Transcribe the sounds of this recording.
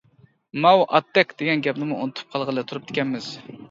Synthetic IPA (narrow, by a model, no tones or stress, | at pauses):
mɑwʔɑ̰t̪ːɛkʲd̪̥eɡʲɛnɡʲɛpnɪmuunɨt̪ʰu̥p̚qʰɑlˠʁəlˠɨt̪ʰuɾup̚d̪ʰɪ̥kʲʰɛnmɪz̥